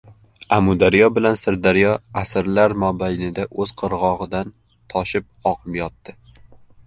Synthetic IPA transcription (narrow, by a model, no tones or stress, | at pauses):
amʊd̪aɾjɒbɪlansɪɾd̪aɾjɒasɪɾlaɾmɒbajnɪd̪aʔɵz̥qʰɨɾʁɒʁɨd̪an | t̪ʰɒʃɪp̚ | ɒqʰɨpjɒt̪ːɪ